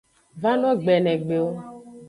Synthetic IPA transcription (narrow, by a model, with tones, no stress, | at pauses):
va˦nɔ̃˦ɡ͡bɛ˨nɛ̃˨ɡ͡be˨o˦